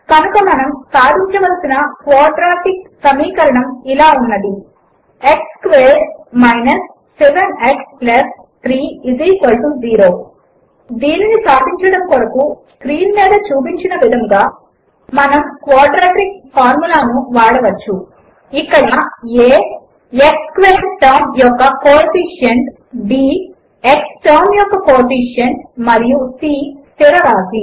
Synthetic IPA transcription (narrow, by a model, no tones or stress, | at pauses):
kɐnukɐmɐnɐmsaːd̪iɲt͡ʃɐʋɐlsinɐkʋaːɖɾaːʈik̚sɐmiːkɐɾɐɳɐmilaːunːɐd̪i | ekskʋeːɾmɐjnɐsː | ɛʋeneksplɐs | t̪ʰɾiːiziːkɐlʈumziːɾo̞ː | d̪iːninisaːd̪iɲt͡ʃɐɽɐmkɔɾɐkuskɾiːnmɛːd̪ɐt͡ʃuːp̬iɲt͡ʃinɐʋid̪ʱɐmɡaː | mɐnɐmkʋaːɾɖɾaːʈɐɾik̚paːɾmulaːnuʋaːɽɐʋɐt͡ʃːu | ikːɐɽaeː | ekskʋeːnʈaːnjɔkːɐkoːpiːʂɐn | biː | eksʈaːmjɔkːɐkoːɾpiʂɐnmɐɾijusiːst̪iɾɐɾaːsi